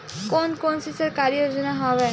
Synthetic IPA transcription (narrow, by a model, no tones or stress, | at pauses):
koːnkoːnsisɐɾkaːɾijoːd͡ʒnaɦɔːʋɛː